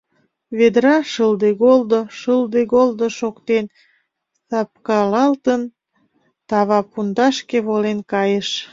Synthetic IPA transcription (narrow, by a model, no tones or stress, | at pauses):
βed̪ɾɑʃəld̪eɣold̪oʃəld̪eɣold̪oʃokt̪en | sɑp̚kɑlɑlt̪ən | t̪ɑβɑpund̪ɑʃkeβolenkɑjəʃ